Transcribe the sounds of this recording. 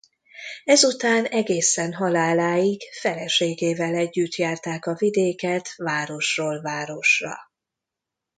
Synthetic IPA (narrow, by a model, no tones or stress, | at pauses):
ɛzut̪aːnɛɡeːsɛnɦɒlaːlaːjikɡfɛlɛʃeːɡeːvɛlɛɟːyt̪jaːrt̪aːkɒvid̪eːkɛt̪vaːɾo̞ʃroːlvaːɾo̞ʃrɒ̰